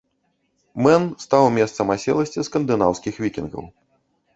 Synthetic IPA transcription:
mɛnst̪awmʲɛst̪sɐmasʲɛ̰lˠɐsʲt͡sʲiskɐnd̪ɨnawskʲixvʲikʲinɣɐ̰w

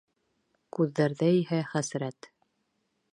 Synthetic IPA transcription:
kʉðːæɾðæihæχæsɾæt̪

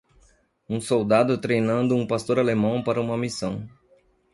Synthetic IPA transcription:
ũsowd̪ad̪ʊt̪ɾejnɐ̃nd̪ʊũpast̪oɾalemɐ̃w̃paɾɐũmɐmisɐ̃w̃

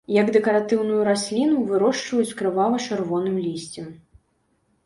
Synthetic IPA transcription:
jɐɡd̪ɛkɐɾat̪ɨwnujuɾasʲlʲinuvɨɾɔʂt͡ʂvɐjut͡sʲkɾɨvalˠɐt͡ʂɨrvɔnɨmlʲisʲt͡sʲɛm

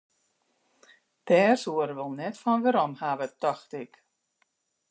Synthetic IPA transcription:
d̥ɛːrsuəɾʋəlˠnɛtfɔnɡəɾɔmhaːvət̪ːɔxtik

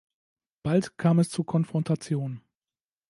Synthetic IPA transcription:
b̥altkʰaːmɛst͡suɐkʰɔnfʁ̥ɔntʰat͡sjoːn

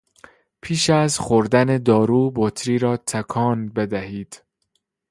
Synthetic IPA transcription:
pʰiːʃæzxoɾd̪æne̞d̪ɒːɾuːbot̪ʰɾiːɾɒːt̪ʰækʰɒːnbe̞d̪æɦiːd̪̥

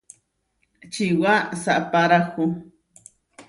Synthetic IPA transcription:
t͡ʃiwasaʔpaɾakʊ

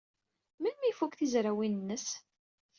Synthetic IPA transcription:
mənmifukθizɾawinənːəs

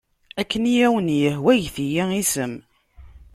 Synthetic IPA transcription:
ækːənijæwənjəhwæʝθijæisəm

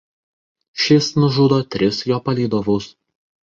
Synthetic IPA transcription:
ʃʲɪsnʊʒuːd̪oːt̪ʲɾʲɪsjoːpɐlʲiːd̪oːʋoʊs

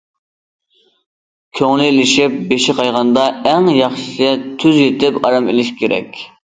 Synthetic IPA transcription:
kʲʰøŋlɪlɪʃɪp̚beʃɪqʰɑjʁɑnd̪ɑæŋjɑχʃɪ̥sɛt̪ʰyzjet̪ɪpɑɾɑmelɪʃkʲʰeɾɛ̰kʲ

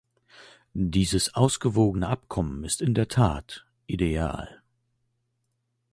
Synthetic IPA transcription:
diːzəsʔaʊsɡ̥əvoːɡənəʔapkʰɔmənɪstɪndeːɐtʰaːt | ʔidea̰ːl

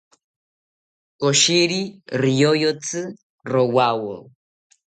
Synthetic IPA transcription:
ɔʃiɾirijojɔt͡sʰɨ | rɔwawɔ̰

